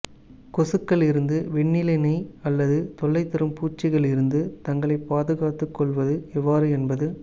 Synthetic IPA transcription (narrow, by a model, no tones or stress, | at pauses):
kɔsɯkːɐɭɪɾɯnd̪ɯʋɛɳːɪlɐɪnɐɪɐlːɐðɯt̪ɔɭːɐɪt̪ːɪɾɯmpuːt͡ʃːɪɣɐɭɪɾɯnd̪ɯt̪ɐŋɡɐɭɐɪpːaːðɯɣaːt̪ːɯkːɔɭʋɐðɯɛʋːaːɾɯɛnbɐðɯ